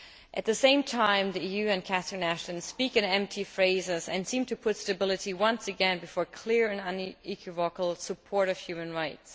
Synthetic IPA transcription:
ʔɨt̪̚ðɨsẽɪ̃mtʰãɪ̃mðiijʉɨ̃nkʰæsənæʃɨ̃nspikɨ̃nɛ̃mp̚tʰifɹeɪzɪzɨ̰̃nsĩmtʰɨpʰʊtstɨbɪlˠɨɾiwʌ̃nsɨɡɛ̃nbɨfɔɹkʰl̥ɪɹɨ̃nə̃nikʰwɨvɔkl̩ˠsəpʰɔɹɾʌv̥hjʉmɨ̃nɹaɪts

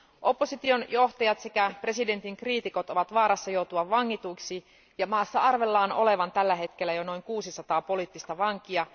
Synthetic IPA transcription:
ʔo̞pːo̞sit̪io̞njo̞ht̪ɑjɑt̪sekæpre̞side̞nt̪iŋkriːt̪iko̞t̪o̞ʋɑt̪ʋɑːɾɑsːɑjo̞wt̪uɑʋʋɑŋːit̪uiksi | jɑmɑːsːɑɑrʋe̞lːɑːno̞̰le̞ʋɑnt̪ælːæɦe̞t̪k̟elːæjono̞jŋkuːsisɑt̪ɑːpo̞liːt̪ːist̪ɑʋɑŋk̟iɑ

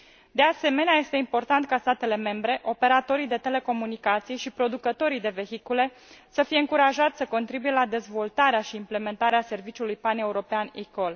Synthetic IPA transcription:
d̪e̞ase̞me̞neaje̞st̪e̞impo̞rt̪ant̪̚kast̪at̪e̞le̞me̞mbɾe̞ʔo̞pe̞ɾat̪o̞ɾid̪e̞t̪e̞le̞ko̞munikat̪sijʃipɾo̞d̪ukət̪o̞ɾijd̪e̞ve̞çikule̞ | səfije̞ɨŋkuɾaʒat̪səko̞nt̪ɾibuje̞lad̪e̞zvo̞lt̪aɾeaʃiːmple̞me̞nt̪aɾease̞rvit͡ʃiulujpane̞uɾo̞peanikol

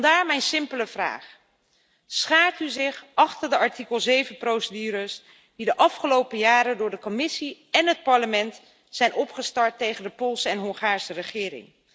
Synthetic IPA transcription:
ndaːɹmɛjnsɪmpələv̥ra̰ːχ | sχaːɹtyzɪχʔɑχtəɹdəʔɑɹtikəlˠzejvənprowsədyːɾəs | didəʔɑfχəlowpəjaːɾədʊːɹdəkɔmɪsiɛnɦət̚pɑɹləmɛnt | sɛjnʔɔpχəstɑɹtːejχəndəpʊlˠsəɛnɦɔŋχaːɹsərəχɪːɾɪ̰ŋ

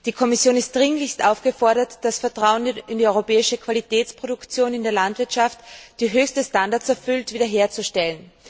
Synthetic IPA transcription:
d̥iːkʰɔmɪsjoːnɪst̚d̥ʁɪŋlɪçstʔaʊfɡ̥əfɔɐɾɐtd̥asfɛɐtʁ̥aʊənɪndiɔʏʁopɛːɪʃəkʰv̥alitɛːt͡spʁ̥oɾʊkt͡sjoːnɪndeːɐlantv̥ɪɐtʃaftd̥iːɦøːçstəstandaɐt͡sɛɐfʏltv̥iːdɐɦeːɐt͡suʃtɛlən

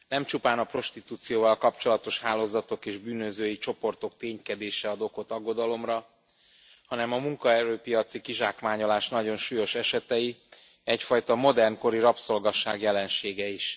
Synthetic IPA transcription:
nɛmt͡ʃupaːnɒpro̞ʃt̪it̪uːt̪sijoːvɒlkɒpt͡ʃo̞lɒt̪o̞ʃhaːloːzɒt̪o̞keːʒbyːnøzøːjit͡ʃo̞po̞rt̪o̞kt̪eːɲkɛd̪eːʃɛɒd̪o̞ko̞t̪ɒɡːo̞d̪ɒlo̞mrɒ | hɒnɛmɒmuŋkɒɛɾøːpijɒt̪sikiʒaːkmaːɲo̞laːʃnɒɟo̞nʃuːjo̞ʃɛʃɛt̪ɛji | ɛcfɒjt̪ɒmo̞d̪ɛrnko̞ɾiɾɒpso̞lɡɒʃa̰ːɡjɛlɛnʃeːɡɛiʃ

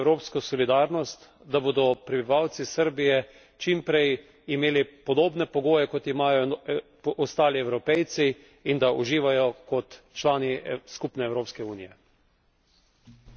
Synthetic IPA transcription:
wɾoːpskɔsɔlid̪aːɾnɔst̪ | d̪aboːd̪ɔpɾɛbiʋawt̪sisəɾbijɛ | t͡ʃimpɾɛj | imeːlipɔd̪oːbnɛpɔɡoːjɛkɔt̪imaːjɔ | ɔst̪aːliɛwɾɔpɛjt̪siː | nd̪aʔuʒiːʋajɔkɔt̪ | t͡ʃlaːniskupnɛːwɾoːpskɛuːnijɛ

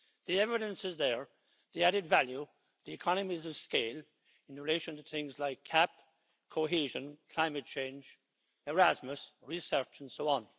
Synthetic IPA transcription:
ðiɛvɪɾə̃nsɪzðə˞ | ðiæɾɪdvælju | ðiɨkʰɑnəmizʌv̥skeɪl | ɪ̃nɹɪleɪʃə̃ntʰəɨθɪ̃ŋzlaɪkʰːæp̚ | kʰoɦiʒə̃nkʰl̥ãɪ̃mɨt̚t͡ʃʰẽɪ̃nd͡ʒ | əɹæzməsɹisɜ˞t͡ʃə̃n̩soʊə̃n

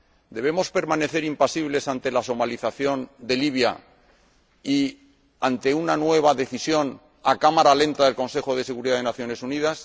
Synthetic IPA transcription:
d̪e̞β̞e̞mo̞spe̞ɾmane̞θe̞ɾimpasiβle̞sant̪e̞laso̞maliθaθjo̞nd̪e̞liβ̞ja̰ | i | ant̪e̞unanwe̞β̞aðe̞θisjo̞n | akamaɾalẽ̞nt̪aðe̞lko̞nse̞xo̞ðe̞seɣuɾiðaðenaθjo̞ne̞suniðas

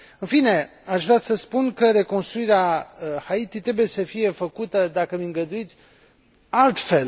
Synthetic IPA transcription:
ɨnfine̞ | aʃvɾeasəspunkəɾe̞ko̞nst̪ɾuiɾeahait̪it̪ɾe̞buje̞səfije̞fəkut̪əd̪akəmiŋɡəd̪uit̪sʲ | alt̪fe̞l

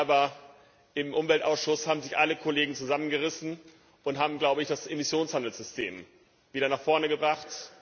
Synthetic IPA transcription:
ʔaːbɐ | ʔɪmʔʊmvɛltʔaʊsʃʊshaːbm̩zɪçʔaləkʰoleːɡŋ̩t͡suzamənɡəʁɪsn̩ | ʔʊntɦaːbm̩ɡlaʊbəɪçd̥asʔemɪsjoːnshandl̩sz̥ʏstʰḛːm | viːɾɐnaːχfɔɐnəɡəbʁaχt

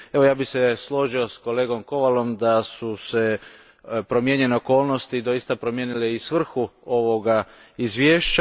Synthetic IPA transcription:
e̞ʋojaːbixseslo̞ʒio̞sko̞le̞ːɡo̞mko̞ʋalo̞md̪asuse̞ | pɾo̞mjeɲe̞neoko̞ːlˠno̞st̪id̪o̞jist̪apɾomjeːnileisʋr̩xuo̞ʋo̞ɡa | izʋjeːʃt͡ɕa

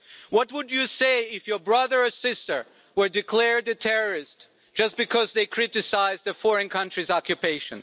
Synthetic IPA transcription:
wʌt̚wʊdɨseɪɪfjə˞bɹʌðə˞ɔsɪstə˞ | wə˞dɨkʰlɛɹd̪̚ðɨtʰɛɹə˞ɪs | d̥ʒ̥ʌs̚b̥ɨkʰʌzðeɪkʰɹ̥ɪɾɨsaɪzðɨfɔɹɨ̃nkʰʌ̃nt͡ʃɹ̥izɑkjɨpeɪʃɨ̃n

